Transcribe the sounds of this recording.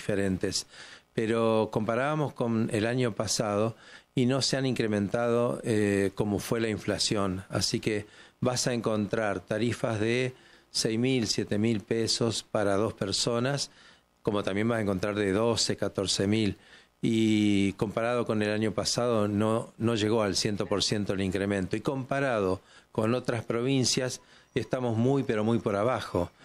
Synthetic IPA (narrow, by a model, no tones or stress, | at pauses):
feɾent̪espeɾo̞ko̞mpaɾaβamo̞sko̞nelaɲo̞pasað̞o̞ino̞seaniŋkɾemẽnt̪að̞o̰eko̞mo̞fwe̞laiɱflasjo̞na̰sikebasaeŋko̞nt̪ɾaɾt̪aɾifazðesɛjmilsjet̪e̞milpeso̞spaɾað̞o̞speɾso̞nas | ko̞mo̞t̪ambje̞mbasaeŋko̞nt̪ɾaɾðe̞ðo̞se̞kat̪o̞ɾsemil | iko̞mpaɾað̞o̞ko̞nelaɲo̞pasað̞o̞nono̞ʒe̞ɣo̞alsje̞nt̪o̞po̞ɾsje̞nt̪oeliŋkɾemẽnt̪o̞iko̞mpaɾað̞o̞ko̞no̞t̪ɾaspɾo̞β̞insjas | est̪amo̞zmujpe̞ɾo̞mujpoɾaβaxo̞